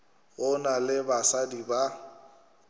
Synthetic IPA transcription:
ɣʊnalɪbasadiba

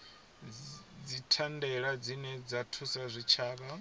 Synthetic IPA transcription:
d͡zitʰandɛɺad͡zinɛd͡zatʰusazʷit͡ʃʰaːk̬a

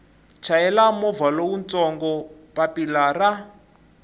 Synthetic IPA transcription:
t͡ʃʰaɛlamɔvalowunt͡sɔŋɡɔpapilara

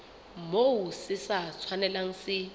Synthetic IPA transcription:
mowusɪsat͡sʰwanɛlaŋ̩sɪ

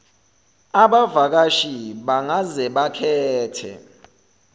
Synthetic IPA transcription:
aɓavak̬aʃiɓaŋazɛɓakʰɛːtʰɛ̰

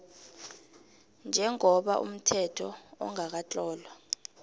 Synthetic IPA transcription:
nd͡ʒʱɛŋɔɓa̰ʔṵm̩tʰɛtʰɔɔ̰ŋak̬at͡ɬʼɔːlwa

